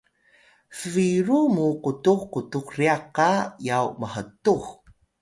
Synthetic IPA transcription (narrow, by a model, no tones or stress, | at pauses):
fəviɾumuqutuxkutukriaqajawməɦətux